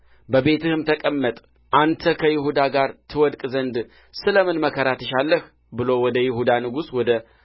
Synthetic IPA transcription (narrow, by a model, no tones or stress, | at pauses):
bəβe̞t̪ʰɨhɨmt̪ʰəkʼəmːət̪ʼ | ʔant̪ʰəkʰəjɪɦud̪aɡaɾt̪ʰɨwɔd̪kʼzənd̪ | sɨləmɨnməkʰəɾat̪ʰəʃalːəh | bɨlo̞wɔd̪əjɪhud̪anɨɡuswɔd̪ə